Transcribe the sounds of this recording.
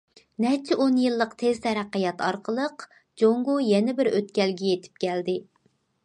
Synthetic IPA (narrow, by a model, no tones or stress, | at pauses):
nɛt͡ʃʰɪʔonjɨlˠːəqt̪ʰezt̪ʰɛɾæqːəjɑt̪ɑɾqʰəlˠəq | d͡ʒoŋɡʊjɛnɪbɪɾøt̪kʲɛlɡʲɛjet̪ʰɪ̥p̚kʲæld̪ɪ